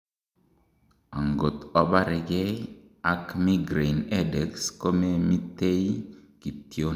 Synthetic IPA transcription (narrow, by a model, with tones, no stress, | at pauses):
a˨ŋɡo˨t̪ɔ˦ba˦ɾɪ˨ɡe˦ | a˨kmi˦ɡɾe˨ne˦de˨ksko˦me˦mi˦te˦jki˨tjo˦